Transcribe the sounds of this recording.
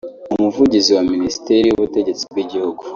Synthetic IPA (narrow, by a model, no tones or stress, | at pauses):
umuvuɟiziwaminisi̥teɾijuβute̞ɟe̞t͡si̥b̚ɡiɟihuɡu